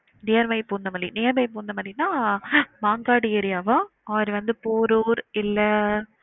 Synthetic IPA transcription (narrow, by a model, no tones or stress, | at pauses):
nejɐɾʋɐɪpoːnd̪ɐmaːd̪ɾinɪjɐɾmɐɪp̬oːnd̪ɐmaːd̪ɾinaːmaːŋɡaːɽɪɛɾɪjaːʋɐ̃ | ɐʋɐɾʋɐnd̪ɯpoːɾuːɾɪlːɐ